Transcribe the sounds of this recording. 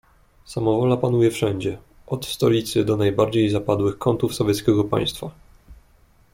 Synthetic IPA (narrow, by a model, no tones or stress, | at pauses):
samɔvɔlapanujɛfʂɛɲd͡ʑɛ | ʔɔt̪st̪ɔlʲit̪sɘd̪ɔnajbaɾd͡ʑejzapad̪wɘxkɔnt̪ufsɔvʲjɛt̪skʲɛɡɔpa̰j̃st̪fa